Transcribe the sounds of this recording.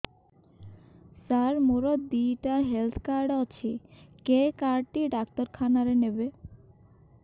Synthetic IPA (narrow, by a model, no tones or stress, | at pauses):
saɾmoɾot̪̚d̪iʈaɦelt̪ʰkaɾɖat͡ɕʰekekaɾɖ̚ʈiɖak̚t̪oɾkʰanaɾenebe